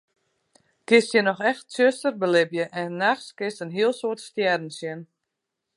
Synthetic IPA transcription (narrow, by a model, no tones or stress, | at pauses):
kɪstjənɔxɛxtsøstərbəlɪbjəʔɛnnːaxskɪstənɦiəlˠsoətstjɛrdn̩sjən